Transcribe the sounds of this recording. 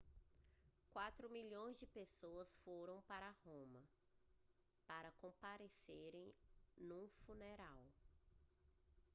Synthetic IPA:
kwat̪ɾʊmiʎõj̃zd͡ʒɪpesoɐsfoɾɐ̃w̃paɾahõmɐ | paɾɐkõpaɾeseɾẽj̃nũfuneɾaw

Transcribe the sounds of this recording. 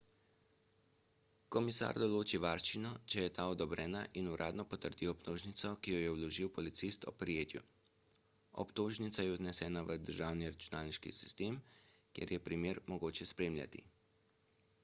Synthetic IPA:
kɔmisa̰ːɾd̪ɔloːt͡ʃiʋaːɾʃinɔt͡ʃɛjɛt̪aːɔd̪ɔbɾʔɛːnaʔinuɾʔa̰ːd̪nɔpɔt̪əɾd̪iɔpt̪oːʒnit̪sɔkijɔjɛuwlɔʒiwpɔlit̪sist̪ɔ̰pɾijeːt̪ju | ɔ̰pt̪oːʒnit̪sajɛuznɛsɛːnaʋəd̪əɾʒaːwniɾat͡ʃunaːlniʃkḭsi̥st̪eːm | kjḛɾjɛpɾimeːɾmɔɡoːt͡ʃɛspɾeːmlja̰t̪ḭ

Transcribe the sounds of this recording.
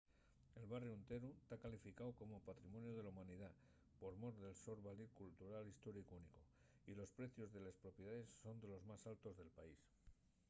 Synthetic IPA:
e̞lβarjount̪e̞ɾut̪akalifikawko̞mo̞pat̪ɾimo̞njoð̞e̞laumãniða | po̞ɾmo̞ɾðe̞lso̞ɾβaliɾkult̪uɾalist̪o̞ɾikuniko | ilo̞spɾe̞θjo̞zðe̞lespɾo̞pjeðaðe̞sːo̞nd̪e̞lo̞zmasalt̪o̞zðe̞lpais

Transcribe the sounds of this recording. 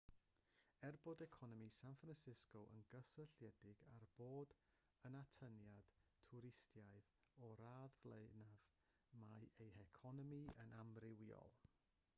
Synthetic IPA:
ɛrbodɛkʰɔnɔmisanfransɪskoʔə̰nɡəsəɬjɛdɪɡarb̥oːd | ənatʰənjad̥tʰʊɾɪstjaɨðɔɾaːðvlˠenav | majejɛkʰɔnɔmiənamrɪwiɔ̰lˠ

